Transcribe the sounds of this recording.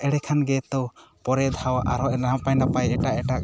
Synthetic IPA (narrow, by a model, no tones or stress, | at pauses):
ɛɽɛkʰanɡɛt̪ɔpɔɾɛd̪ʱawʔa̰ɾɔʔapajnapajɛʈaʔɛʈaʔ